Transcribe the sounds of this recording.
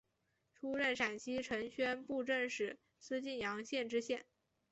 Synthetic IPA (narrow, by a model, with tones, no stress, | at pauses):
ʈ͡ʂʰu˥ɻə˥˩nʂa˨˩nɕi˥ʈ͡ʂʰɤ˧˥ŋɕɥɛ˥npu˥˧ʈ͡ʂə˥˩ŋʂɻ̩˨˩ | sɹ̩˥t͡ɕi˥˩njɑ˧˥ŋɕjɛ˥˧nʈ͡ʂɻ̩˥ɕjɛ˥˩n